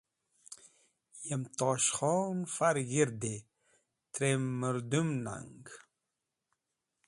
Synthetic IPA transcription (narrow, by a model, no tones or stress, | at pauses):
jɛmt̪ɑʃχɔnfaɾɣiɾd̪e | t̪ɾemːəɾd̪umna̰ŋɡ